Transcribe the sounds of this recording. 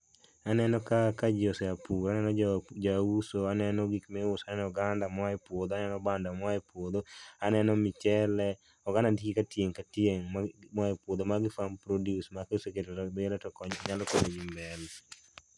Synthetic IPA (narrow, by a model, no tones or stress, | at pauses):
anɛnɔkakad͡ʒɪosɛapuanɛnɔd͡ʒausoanɛnɔɡikmɛʊsanɛnɔɡandamwaɛpwod̪oanɛnɔbandamwaɛpwod̪oanɛnɔmɪt͡ʃɛlɛ | ɔɡanadikikatjeŋkatjeŋmmwaɛpwod̪omaɡɪfampɾodjusmakausekeɾɾblɛtɔkɔɲalɔkodeɡimbɛl